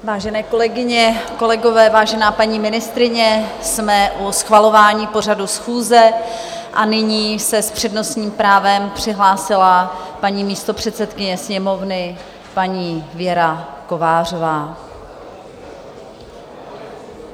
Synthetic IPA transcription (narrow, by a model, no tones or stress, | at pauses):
vaːʒɛnɛːko̞lɛɡɪɲɛko̞lɛɡo̞vɛːvaːʒɛnaːpaɲiːmɪnɪst̪ɾɪɲɛ | smɛʔusxvalo̞vaːɲiːpo̞r̝adusxuːzɛ | ʔanɪɲiːsɛspr̝̥ɛdno̞sɲiːmpɾaːvɛmpr̥ɪɦlaːsɪlapaɲiːmiːst̪o̞pr̥ɛt̪sɛt̪kɪɲɛsɲɛmo̞vnɪ | paɲiːvjɛɾako̞vaːr̝o̞vaː